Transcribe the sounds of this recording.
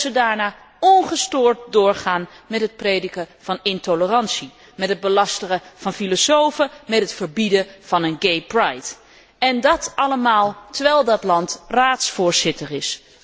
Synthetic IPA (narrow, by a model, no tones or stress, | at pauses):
zədaːɹnaː | ɔnχəstʊːɹt̚dʊːɹχaːnmɛtɦət̚prejdəkəv̥ɑnɪntolərɑnsi | mɛtɦəd̚bəlɑstəχəv̥ɑnfilosowfəmɛtɦətfəɹbidəv̥ɑnənɡejprɑjt | ɛndɑtɑləmaːlˠtəɹʋɛlˠdɑtlɑntraːtsfʊːɹz̥ɪtərɪs